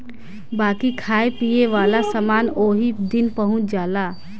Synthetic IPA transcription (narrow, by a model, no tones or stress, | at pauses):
baːkikʰaːepieʋaːlasəmaːnoːɦid̪ɪnpəɦʊ̃t͡ʃd͡ʒaːlaː